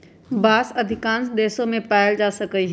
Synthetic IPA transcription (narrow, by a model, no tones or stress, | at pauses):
baːsɐd̪ʱɪkãːnsd̪eːsõmẽpɛːɪld͡ʒaːsɐkəiɦ